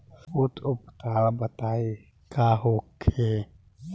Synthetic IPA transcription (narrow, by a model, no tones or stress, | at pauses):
ut̪ʰʊpt̪aːlbət̪aːe | kaːɦoːkʰe